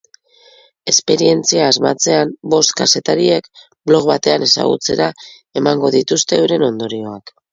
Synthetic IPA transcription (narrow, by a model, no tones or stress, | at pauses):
e̞spe̞ɾie̞nt͡siaːzma̰t͡se̞ambo̞st̪kase̞t̪aɾiek | blo̞ɣβat̪e̞ane̞sa̰ɣ̞ṵt͡se̞ɾa | e̞maŋɡo̞ðit̪ust̪e̞wɾe̞no̞nd̪o̞ɾio̞ak